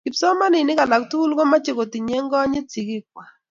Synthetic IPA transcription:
kɪ˨psɔ˦ma˦nɪ˨nɪ˦ka˨la˨ktu˦lɡo˦ma˦t͡ʃe˨ko˨ti˨ɲe˦ŋɡɔ˦ɲɪ˦t͡si˨ki˦kwa˨

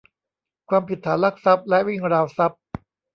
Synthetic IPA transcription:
kʰwaː˧mpi˨˩t̪ʰːaː˩˦nla˦˥˩k̚sa˦˥p̚lɛ˦˥ʔwi˥˩ŋɾaː˧wsa˦˥p̚

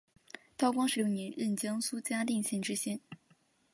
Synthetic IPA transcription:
t̪ɑ˥ʊkwɑ˥ŋʂɻ̩˥˩jnjɛ˧˥nɻə˥˩nt͡ɕjɑ˥ŋsu˥t͡ɕja˥t̪i˥˩ŋɕɛ˥˩nʈ͡ʂɻ̩˥ɕjɛ˥n

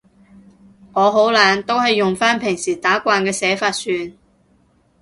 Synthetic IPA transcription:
ŋɔː˨˧ɦo˨˥wlaː˨˥nt̪o˥whɐ˨jːʊ˨ŋfaː˥npʰɪ˨˩ŋsiː˨˩t̪aː˨˥kʷaː˧nkɛː˧sɛː˨˥faː˧t̚syː˨˧n

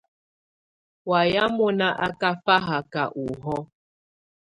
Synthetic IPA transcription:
wa˨ja˦mo˦na˦ʔa˦ka˦fa˦ɦa˨ka˨ʔu˨ɦɔ˦

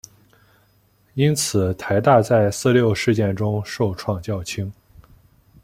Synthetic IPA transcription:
i˥nt͡sʰɹ̩˨˩t̪ʰa˧˥ɪt̪a˥˧t͡sa˥˧ɪsɹ̩˥˧ljo˥˧ʊʂɻ̩˥˧t͡ɕjɛ˥˩nʈ͡ʂʊ˥ŋʂo˥˧ʊʈ͡ʂʰwɑ˥˧ŋt͡ɕjɑ˥˩ʊt͡ɕʰi˥ŋ

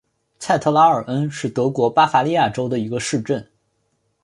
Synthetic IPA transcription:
t͡sʰa˥˩ɪt̪ʰɤ˥˧la˥ə˞˨˩ʔə˥nʂɻ̩˥˩t̪ɤ˧˥kwɔ˧˥pa˥fa˧˥li˥˧ja˥˩ʈ͡ʂo˥ʊd̪ə˨i˧˥ɡə˧ʂɻ̩˥˧ʈ͡ʂə˥˩n

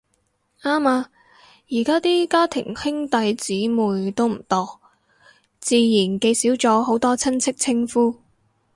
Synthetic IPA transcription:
aː˥maː˧ | jiː˨˩kaː˥t̪iː˥kaː˥t̪ʰɪ̰˨˩ŋhɪ˥ŋt̪ɐ˨˧jt͡siː˨˥muː˨˩jt̪o˥wm̩˨˩t̪ɔː˨˧ | t͡siː˧jiː˨˩nke˧jsiː˨˥wt͡sɔː˨˥ɦo˨˥wt̪ɔː˥t͡sʰɐ˥nt͡sʰɪ˥k̚t͡sʰɪ˥ŋfuː˥

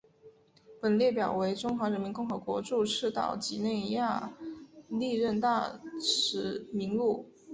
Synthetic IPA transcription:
pə˨˩nljɛ˥˩pjɑ˨˩ʊwe˧˥ɪʈ͡ʂʊ˥ŋxwa˧˥ɻə˧˥nmi˧˥nkʊ˥˩ŋxɤ˧˥kwɔ˧˥ʈ͡ʂu˥˧ʂʰɻ̩˥˩t̪ɑ̰˨˩ʊt͡ɕi˧˥ne˥˧ɪja˥˩ | li˥˧ɻə˥˧nt̪a˥˩ʂɻ̩˧˥mi˧˥ŋlu˥˩

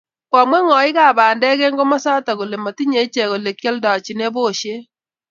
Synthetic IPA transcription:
kwa˨mwɛ˦ŋɔ˨ɪ˦ka˨baː˨ndɛ˦kɛ˦ŋɡo˦ma˦sa˦ta˨ɣo˨le˨ma˨ti˦ɲe˨˦t͡ʃe˨ɣo˨le˨kjɛ˦lda˨t͡ʃi˨ne˦bo˦˨ʃe˦

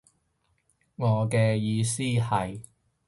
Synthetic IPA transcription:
ŋɔː˨˧kɛː˧jiː˧siː˥hɐ˨j

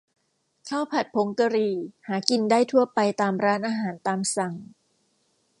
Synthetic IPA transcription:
kʰaː˥˩wpʰa˨˩t̪̚pʰo˩˦ŋka˧ɾiː˧haː˩˦ki˧ndaː˥˩jt̪ʰu˥˩ɐpa˧jt̪aː˧mɾaː˦˥nʔaː˧ɦaː˩˦nt̪aː˧msa˨˩ŋ

